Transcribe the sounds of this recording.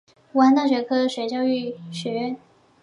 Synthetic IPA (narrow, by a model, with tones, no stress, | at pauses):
u˧˥a˥nt̪a˥˩ɕɥɛ˧˥kʰɤ˥˧ɕɥɛ˧˥t͡ɕjɑ˥˧ʊy˥˩ɕɥɛ˧˥ɥɛ˥˩˨n